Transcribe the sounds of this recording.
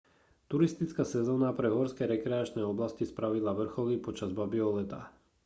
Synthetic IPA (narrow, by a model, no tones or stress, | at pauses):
t̪uɾist̪it͡skasɛzɔːnapɾɛɦɔɾskɛɾɛkɾɛat͡ʃnɛɔblascispɾaʋilaʋr̩xɔlipɔt͡ʃazbabiɔlɛt̪a